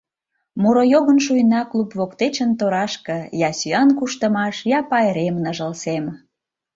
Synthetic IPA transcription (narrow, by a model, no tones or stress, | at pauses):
muɾojoɣənʃujnɑklupβokt̪et͡ɕənt̪oɾɑʃkɤ̆jɑsyɑnkuʃt̪əmɑʃjɑpɑeɾemnəʒəlsem